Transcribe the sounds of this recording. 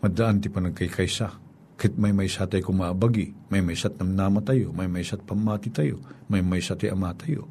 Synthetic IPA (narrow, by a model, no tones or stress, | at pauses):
mɐd̪aʔant̪ɪpɐnɐkɐjkʰajsa | kɐhɪt̪̚mɐjmɐjsat̪ɐjkomabaɡimɐjmɐjsat̪̚nɐmnaːmɐt̪ajomɐjmɐjsat̪̚pɐmːaːt̪it̪ajo̰mɐjmɐjsat̪ajʔɐmaːt̪ajo̰